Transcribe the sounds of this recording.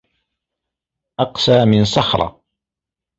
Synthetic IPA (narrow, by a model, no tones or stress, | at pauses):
ʔɑqsaːmɪnsɑxɾˤɑ̰